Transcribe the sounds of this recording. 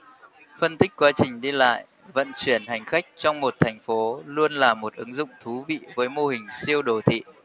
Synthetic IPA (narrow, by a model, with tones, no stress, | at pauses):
fə˧nt̪ï˦˥k̟̚kwaː˨˦t͡ɕï˨˩ŋ̟ɗi˧la̰ː˧˨j | və̰˧˨nt͡ɕwi˧˩ənha˨˩jŋ̟xa˦˥jk̟̚t͡ɕɔ˧wŋ͡mmo˨˩t̚t̪ʰɛ˨˩jŋ̟fo˨˦lu˧ənlaː˨˩mo˨˩t̚ʔɨ˨˦ŋzʊ̰˧˨ŋ͡mt̪ʰu˨˦vḭ˧˨vəː˨˦jmo˧hï˨˩ŋ̟si˧əwɗo˨˩t̪ʰḭ˧˨